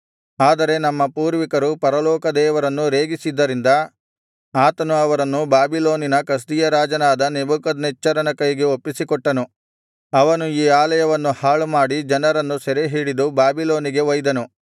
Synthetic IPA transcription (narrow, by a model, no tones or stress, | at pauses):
aːd̪ɐɾe̞nɐmːɐpuːɾʋikɐɾupɐɾɐlɔːkɐd̪ɛːʋɐɾɐnːuɾeːɡisid̪ːɐɾind̪ɐ | aːt̪ɐnuɐʋɐɾɐnːubaːbilo̞ːninɐkɐs̬d̪ijɐɾaːd͡ʒɐnaːd̪ɐnebukɐd̪niːɐɾɐnɐkɐjɡeopːisikɔʈːɐnu | ɐʋɐnuiːaːlɐjɐʋɐnːuhaːɭumaːɽid͡ʒɐnɐɾɐnːusɛɾeɦiːɽid̪ubaːbilo̞ːniɡe̞ʋɐjd̪ɐnu